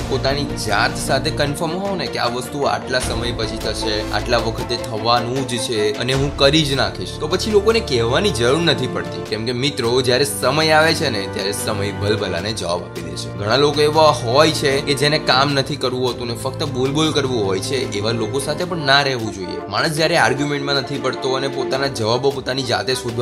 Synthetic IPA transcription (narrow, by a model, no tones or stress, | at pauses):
pot̪anid͡ʒat̪sat̪ʰekənfəɾmɦɔnekea̰ʋəst̪ua̰ʈlasəməjpət͡ʃʰit̪ʰəʃea̰ʈlaʋəkʰət̪et̪ʰəʋanũd͡ʒt͡ʃʰeə̰neɦũkəɾid͡ʒnakʰiʃt̪opət͡ʃʰilokonekɛʋːanid͡ʒəɾuɽnət̪ʰipəɽt̪ikɛ̃mkemit̪ɾod͡ʒjaɾesəməjaʋet͡ʃʰenet̪jaɾesəməjbʱəlbʱəla̰ned͡ʒəʋa̰ba̰pid̪ḛʃʰeɡʱəɽ̃alokoeʋaɦɔjt͡ʃʰeked͡ʒenekamnət̪ʰikəɾʋũɦət̪ũnefək̚t̪əbulbolkəɾʋũɦɔjt͡ʃʰeʔeʋalokosat̪ʰepəɳnaɾɛɦʋũd͡ʒoḭḛmaɽ̃əsd͡ʒjaɾeaɾɡjumɛ̃ɳʈmãnət̪ʰipəɽt̪oənepot̪anad͡ʒəʋabopot̪anid͡ʒa̰t̪esud̪ʱ